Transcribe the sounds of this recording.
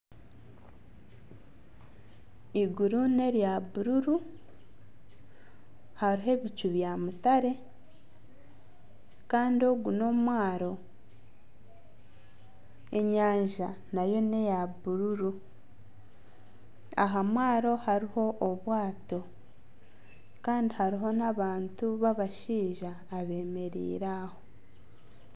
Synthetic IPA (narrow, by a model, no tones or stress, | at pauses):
iɡuɾune̞ɾjaβuɾuɾu | haɾiɦe̞βit͡ʃuβjamutaɾe̞ | kaːndio̞ɡuno̞mwaːɾo̞ | e̞ɲaːɲʒanajo̞ne̞jaβuɾuɾu | a̰ɦamwaːɾo̞haɾiho̞ʔːβwaːto̞ | kaːndihaɾiɦo̞naβaːntuβaβaʃiːʒaːβe̞ːme̞ɾḭːɾaho̞